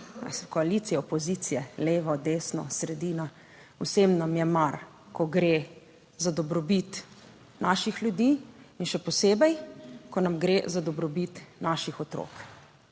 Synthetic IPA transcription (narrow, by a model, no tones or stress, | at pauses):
skɔalit̪sijɛɔpɔziːt̪sijɛleːʋɔd̪eːsnɔ̰sɾɛd̪iːna | wsemnamjɛmaɾ | kɔɡɾeː | zad̪ɔbɾɔbit̪ | nʔaːʃixlʲjud̪iːinʃɛpɔseːbɛjkɔnamɡɾḛzad̪ɔbɾɔbit̪naːʃixɔt̪ɾo̰ːk